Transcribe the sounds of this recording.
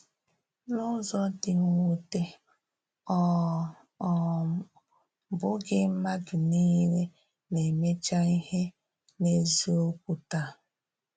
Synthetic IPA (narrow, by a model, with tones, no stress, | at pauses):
nʊ˦zɔ˦dɪ˨ŋu˦te˦ | ɔ˦˨ | ɔ˨ | bʊ˦ɡɪ˦ma˦dʊ˨niː˦ɾe˦ | ne˨me˦t͡ʃa˦i˦he˦ | ne˦˨zi˦o˦kʷu˦ta˦